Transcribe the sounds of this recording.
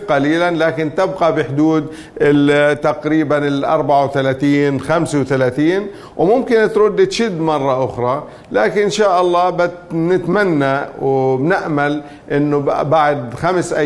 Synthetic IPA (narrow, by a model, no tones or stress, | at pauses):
qɑliːlanlaːkɪnt̪ɪbqɑbɪħd̪uːd̪ | ɪt̪aqɾiːbanɪlʔɑ̰ɾˤbaʕawθalaːt̪iːnxamswθalaːt̪iːn | wmʊmkɪnt̪ɾʊd̪ːɪt̪ʃɪd̪ːmɑrˤːɑʔʊxɾˤɑ | laːkɪʔnʃaːʔɑlˤːɑːbɪt̪nɪt̪manːawbnɪʔmal | ʔɪnːʊbaʕd̪xamsʔa